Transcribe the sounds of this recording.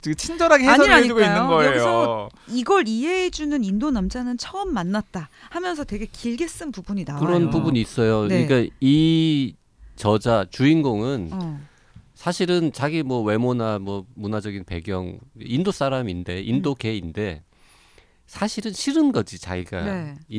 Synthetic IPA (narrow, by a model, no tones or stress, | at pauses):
t͡ɕiɡt͡ɕʰind͡ʑʌɾɦaɡehesʰʌaed͡ʑuɡoinːɯnɡʌejosiɡʌɾiɦe̞ːd͡ʑunɯnindonamd͡ʑanɯnt͡ɕʰʌʌmːanːat̚t͈ahamjʌnsʰʌte̞ɡe̞kiɭɡe̞s͈ɯnpubuɲidakɯɾʌnpubuɲiːs͈ʌjoɲik͈ai | t͡ɕʌd͡ʑat͡ɕuinɡoŋɯn | sʰaɕʰiɾɯnt͡ɕaɡimwʌwe̞monamwʌmunad͡ʑʌɡinpe̞̰ɡjʌŋeindos͈aɾaminde̞ʔindoke̞inde̞ | sʰaɕʰiɾɯnɕʰiɾɯnɡʌd͡ʑit͡ɕa̰ɡiɡa̰ei